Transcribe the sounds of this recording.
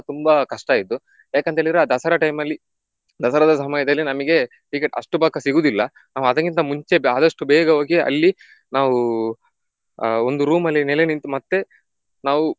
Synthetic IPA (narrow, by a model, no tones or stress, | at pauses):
t̪umbɐkɐʂʈaːid̪ːu | jaːkeɐnt̪eːɭid̪ɾeaːd̪ɐsɐɾɐʈɐjmɐlːi | d̪ɐsɐɾɐd̪ɐsɐmɐjɐd̪ɐlːinɐmɐɡe̞ | ʈikeʈɐ̰ʂʈubaːkːɐsiɡuːd̪ilːɐ | naːʋuɐd̪ɐkːint̪ɐmuɲt͡ʃeaːd̪ɐʂʈubɛːɡɐɦo̞ːɡiɐ̰lːi | naːʋu | ond̪uɾuːmɐlːinɛlenint̪umɐt̪ːe̞ | naːʋu